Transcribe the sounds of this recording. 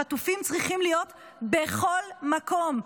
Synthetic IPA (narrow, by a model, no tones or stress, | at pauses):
atufimt͡sʁiχimlijo̞t | beχo̞lmako̞m